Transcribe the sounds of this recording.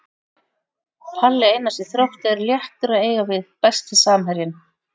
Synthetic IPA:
halːɪejnasɪθɾawht̪ɛɾljɛht̪ʏɾaðeːjɣavɪðpɛst̪ɪsaːmɦɛɾjɪn

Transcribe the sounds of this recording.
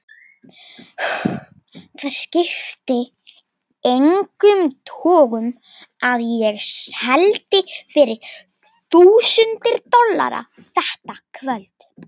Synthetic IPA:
θaðscɪft̪ɪ | ejŋkʏmt̪ʰɔːɣʏm | aðjɛɣshɛlt̪ɪfɪɾɪɾ̥ | θuːsʏnt̪ɪɾt̪ɔlːa̰ɾa̰ | θɛht̪akʰvœlt̪

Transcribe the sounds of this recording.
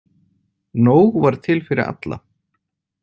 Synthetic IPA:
noːwɣvaɾ̥t̪ʰɪlfɪɾɪ̰ɾa̰t̪la̰

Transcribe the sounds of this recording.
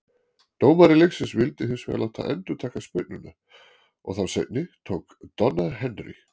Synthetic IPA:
t̪oːwmaɾɪleksɪnsvɪlt̪ɪhɪnsvɛ̰ːlawt̪ʰa̰ʔɛnt̪ʏt̪ʰaːkaspɪt̪nʏna | ʔɔ̰ɣθawsḛjt̪nɪt̪ʰowkt̪ɔnːaɾɦɛnɾḭx

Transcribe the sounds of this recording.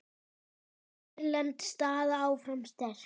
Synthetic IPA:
lant̪st̪aːðaawfɾamst̪ɛɾ̥

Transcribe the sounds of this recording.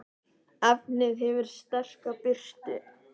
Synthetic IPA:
apnɪðhɛvɪɾ̥st̪ɛr̥kapɪr̥t̪ɪ̰

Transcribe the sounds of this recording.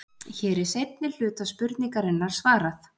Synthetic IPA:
çɛːɾɪ̥sejt̪̚nɪl̥ʏːt̪aspʏɾt̪niŋkaɾɪnːaɾ̥svaːɾaθ

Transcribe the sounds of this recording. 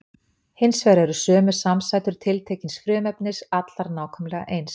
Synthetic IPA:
hɪnsvɛːɾɛɾʏsœːmʏ̥samsajt̪ʏɾ̥t̪ʰɪlt̪ʰeːcɪnsfɾʏːmɛpnɪsat̪laɾnaːwkʰœmlɛɣa̰ʔejns

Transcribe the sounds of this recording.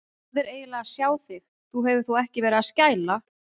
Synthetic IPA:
vɪɾeːjɪlaasjaːwθɪx | θuɦɛvʏɾ̥θuɛhcɪvɛːɾɪðascaːjla

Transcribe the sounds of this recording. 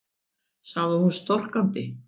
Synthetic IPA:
saɣðɪhunst̪ɔr̥kant̪ɪ

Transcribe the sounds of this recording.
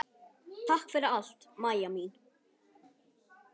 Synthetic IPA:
t̪ʰahkfɪɾɪɾal̥t̪maːjamin

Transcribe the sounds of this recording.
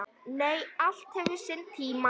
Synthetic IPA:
neːjal̥t̪hɛvɪ̥sɪnt̪ʰiːma

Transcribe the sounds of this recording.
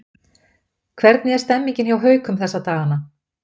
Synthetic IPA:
kʰvɛɾt̪njɛ̥st̪ɛmːiɲcɪnhjawɦœːɥkʰʏmθɛsːat̪aːɣana

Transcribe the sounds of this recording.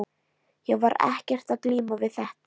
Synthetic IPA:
jɛɣvaɾɛ̰hcɛr̥t̪aðkliːmavɪðθɛht̪a

